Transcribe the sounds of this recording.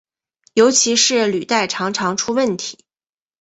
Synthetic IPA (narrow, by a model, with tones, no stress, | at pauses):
jo˧˥ʊt͡ɕʰi˧˥ʂɻ̩˥˩ly˨˩t̪a˥˩ɪʈ͡ʂʰɑ˧˥ŋʈ͡ʂʰɑ˧˥ŋʈ͡ʂʰu˥wə˥˩nt̪ʰi̥˧˥˦